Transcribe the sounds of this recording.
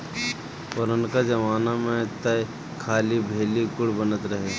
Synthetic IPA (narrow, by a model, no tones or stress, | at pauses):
pɔɾənkad͡ʒɐmaːnamẽt̪ɐ | kʰaːlibʱeːlikʊɽbənət̪ɾɐɦe